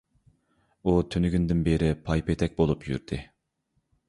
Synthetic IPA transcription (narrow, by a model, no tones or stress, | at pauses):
ut̪ʰønyɡʲynd̪ɪnbeɾɪpʰɑjpet̪ʰɛk̚ʲbolˠupjy̰ɾd̪̥ɪ